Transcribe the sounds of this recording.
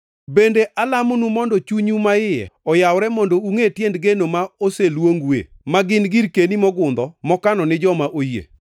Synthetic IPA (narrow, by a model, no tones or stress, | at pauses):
bendeʔalamonumɔndɔt͡ʃuɲumaɪjɛ̰ɔjawɾɛmɔndouŋetjendɡenomaoselwoŋɡwḛmaɡɪnɡiɾkenimɔɡʊnd̪ɔmɔkanɔnɪd͡ʒɔmaʔojḛ